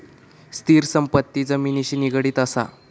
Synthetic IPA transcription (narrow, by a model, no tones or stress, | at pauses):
st̪iːɾsəmpət̪ːiːd͡zəmiːniɕiːniɡɽiːt̪əsa̰